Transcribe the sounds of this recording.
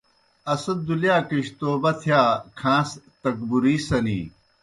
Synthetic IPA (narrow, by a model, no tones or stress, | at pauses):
ɐsɐb̪̚d̪uljaːkiɕt̪oːbɐt̪ʰjaːkʰãːst̪ɐkbuɾiːsɐnḭː